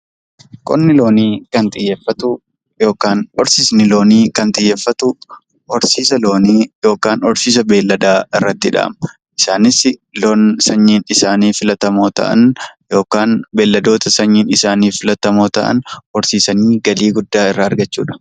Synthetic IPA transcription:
kʼɔnːɪlo̞ːniːkɐnt̪ʼɪjːeːfːɐt̪ʊ | jo̞ːkaːnɔɾsiːsnɪlo̞ːniːkɐnt̪ʼɪjːeːfːɐt̪ʊ | ɔɾsiːsɐlo̞ːniːjo̞ːkaːnɔɾsiːs̬ɐbe̞ːlːɐd̪aːɪrːɐt̪ːɪᶑa̰ːm | ʔɪsaːnɪsɪloːnsɐɲːiːnɪsaːniːfɪlɐt̪ɐmo̞ːt̪ɐ̰ʔɐ̰njo̞ːkaːnbe̞ːlːɐd̪o̞ːt̪ɐsɐɲːiːnɪsaːniːfɪlɐt̪ɐmo̞ːt̪ɐ̰ʔɐ̰nɔɾsiːsɐniːɡɐliːɡʊd̪ːaːɪrːɐɐɾɡɐt͡ʃːṵːᶑɐ̥

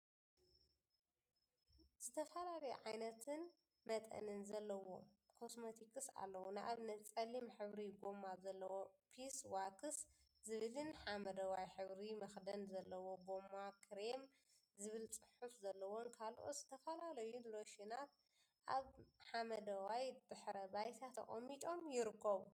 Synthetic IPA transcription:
z̥ɨt̪ʰɐfɐlalɐjuʕajnɐt̪ʰɨn | mɐt̪ʼɐ̰nɨnzɐlːɐwo̰kʰo̞smot̪ʰikʰʼɨsa̰lːɐwonɨʔaβnɐt͡sʼɐlimħɨβɾiɡo̞mazɐlːɐwo̞pʰiswakʰɨs | zɨβɨlɨnħamɐd̪ɐwajħɨβɾimɐxd̪ɐnzɐlːɐwo̞ɡo̞mːakʰɾem | zɨβɨlt͡sʼɨħufzɐlːɐwo̞nkʰalʔo̰t̪z̥ɨt̪ʰɐfɐlalɐjunlo̞ʃinat̪̚ | ʔaβħamɐd̪ɐwajd̪̥ɨħɾɐbajt̪ʰat̪ʰɐ̰χʼɐmːit͡ʃʼo̞mjɪɾɨkʰːɐβu

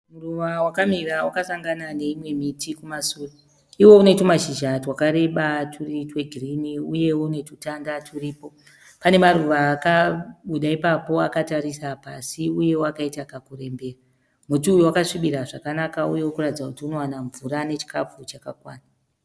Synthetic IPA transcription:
muruʋawakamirawakasaŋɡanane̞imwe̞mitikumasuːri | iwo̞une̞tumaʃiʒatwakaɾe̞ɓatʰuritwe̞ɡʱiriniuje̞wone̞tutandatʰuriːpo̞ | pane̞maruʋaːkaɓuɗaipapo̞akataɾisapasiuje̞woakaitakakure̞mbe̞ːra | mutuujwakaʂiɓiɾaʐakanakauje̞wokuratid͡zakutiuno̞wanaɱvurane̞t͡ʃi̥kap͡fut͡ʃakakwaːna

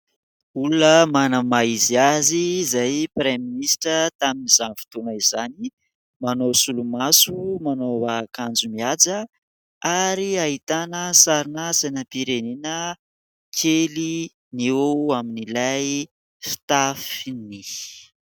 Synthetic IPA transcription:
ulunəmanəmaiziazizajpreminisʈ͡ʂət̪aminizanvi̥t̪umaizani | manosulumasumanoakand͡zumiad͡zə | aɾiaɦit̪anəsaɾinəsenəpiɾeninə | kʰeli | niaminilaj | fi̥t̪afini

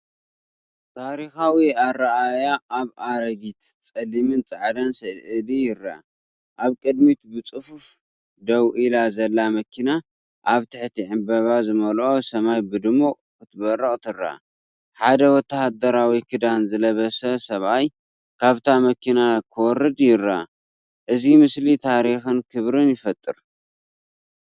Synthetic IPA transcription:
t̪ʰaɾixawiaraʔajaːβaɾɐɡit̪t͡sʼɐlːimɨnt͡sʼɨʕd̪ɐnsɨʔɨlijɪrːa̰ | ʔaβkʼɨd̪mit̪bɨt͡sʼɨfuf | d̪ɐwʔilazɐlːamɐkʰina | ʔaβt̪ʰɨħt̪ʰiʕɨmbɐβazɨmɐlʔo̞sɐmajbɨd̪ɨmu | kɨt̪ʰɨβɐrːɐχʼt̪ʰɨrːa̰ | ħad̪ɐwɔt̪ʰːɐhad̪ɐɾawikʰɨd̪anzɨlɐβɐsɐsɐβʔaj | kʰaβt̪ʰamɐkʰinakʰɨwɔrːɨd̪jɪrːa | ʔɨzimɨslit̪ʰaɾixɨnkʰɨβɾɨnjɪfɐt̪ʼːɨɾ

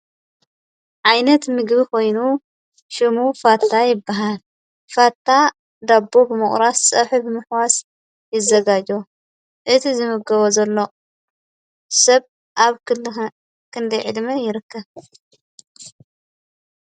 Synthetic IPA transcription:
ʕajnɐt̪mɨɡbikʰo̞jnu | ʃɨmufat̪ʰːajɪbːaɦal | fat̪ʰːa | d̪abːobɨmɨχʼɾassʼɐħubɨmɨħwas | jɪzɐɡad͡ʒo | ʔɨt̪ʰizɨmɨɡɐβozɐlːo̞ | sɐβ | ʔaβ | kʰɨnd̪ɐjʕɨd̪mɐjɪɾɨkːɐβ

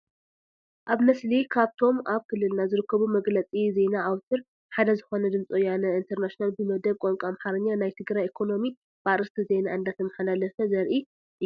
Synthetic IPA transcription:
ʔaβnɐslikʰaβt̪ʰo̞mʔaβkʰɨlːɨlnazɨɾɨkʰːɐβumɐɡlɐt͡sʼize̞naːwt̪ʰɨɾ | ħad̪ɐzɨxo̞nɐd̪ɨmt͡sʼojanɐint̪ʰɐɾnaʃinalbɨmɐd̪ɐβ̚kʼoŋkʼamħaɾɨɲːanajt̪ʰɨɡɾajekʰo̞no̞mi | b̥aɾɨst̪ʰize̞naɨnd̪at̪ʰɐmːaħalalɐfɐzɐɾʔi

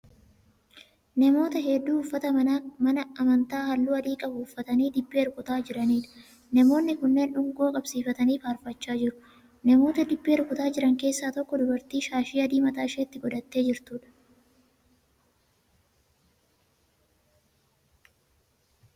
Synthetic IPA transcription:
nɐmo̞ːt̪ɐɦeːd̪ːuːnʊfːɐt̪ɐmɐnɐɐmɐnt̪aːhɐlːuːɐd̪iːkʼɐbʊʊfːɐt̪ɐniːd̪ɪbːɪɛɾkʊt̪aːd͡ʒɪɾɐniːᶑɐ̥ | nɐmo̞ːnːɪkʊnːe̞ːnᶑʊŋɡo̞ːkʼɐbsiːfɐt̪ɐniːfaːɾfɐt͡ʃːaːd͡ʒɪɾʊ̥ | nɐmo̞ːt̪ɐd̪ɪbːɪhɛɾkʊt̪aːd͡ʒɪɾɐŋke̞ːsːaːt̪ɔkːɔd̪ʊbɐɾt̪iːʃaːʃiːɐd̪iːmɐt̪aːʃeːt̪ːɪɡɔd̪ɐt̪ːe̞ːd͡ʒɪɾt̪uːᶑɐ̥

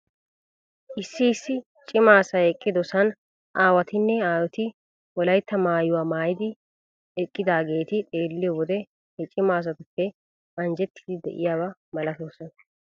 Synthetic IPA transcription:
ʔɪsːɪːsːɪ | t͡ʃʼɪmaːsɐɛkʼːɪd̪ɔsɐn | ʔaːwɐt̪ɪnːɛaːwɔt̪ɪ | wɔlɐjt̪ːɐmaːjʊwaːmaːjɪd̪ɪ | ɛkʼːɪd̪aːɡe̞ːt̪ɪt̪ʼe̞ːlːɪjɔwɔd̪ɛ | hɛt͡ʃʼɪmaːs̬ɐt̪ʊfːɛ | ʔɐnd͡ʒɛt̪ːɪ̥d̪ɪd̪ɛ̰ʔɪ̰jaːbɐmɐlɐt̪oːsɔn

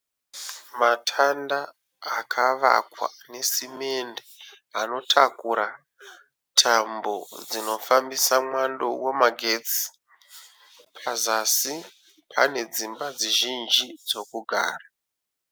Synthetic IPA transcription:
matʰandaː | kʰaʋa̰kwa̰ne̞sime̞nde | ano̞tʰakuɾa | tʰambo̞̰d͡zino̞fambisamwando̞wemaɡʱe̞t͡si̥ | pʰazasi | pʰane̞d͡zimbad͡ziʒind͡ʒid͡zo̞kuɡʱa̰ːra

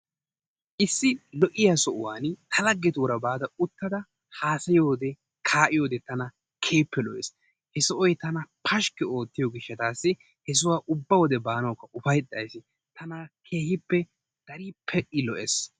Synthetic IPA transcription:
ʔɪsːɪlɔʔɪjasɔʔʊwaːnt̪ʰɐlɐɡːɛt̪uɾɐbaːd̪ɐʊt̪ːɐd̪ɐ | haːsɐjo̞ːd̪ɛ | kʰaːʔɪjo̞ːd̪ɛt̪ɐnɐ | kʰeːpːɛlɔʔes | hɛsɔʔɔjt̪ɐnɐpʰɐʃkːɛo̞ːt̪ːɪjɔɡɪʃːɛt̪aːsːɪ | hɛs̬ʊwaːʔʊbːɐwɔd̪ɛbaːnɐwkːɐʔʊfɐjt̪ʼːɐjsɪ | t̪ɐnakʰe̞ːhɪpːɛ | d̪̥ɐɾiːpʰːɛʔɪlɔʔɛs

